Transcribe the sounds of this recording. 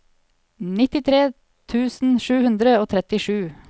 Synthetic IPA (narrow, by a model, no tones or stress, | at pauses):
nɪt̪ɪt̪ʰɾeː | t̪ʰʉːsn̩ʃʉːhʉnd̪ɾəoːt̪ʰɾɛt̪ɪʃʉː